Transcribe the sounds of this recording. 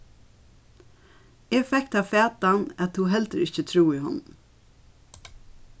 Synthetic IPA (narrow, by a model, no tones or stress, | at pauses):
eːɡfɛkt̪ɑːfæːt̪anɛt̪huːɦɛlt̪əɾɪçət̪ʰɾuːiːhʊ̰n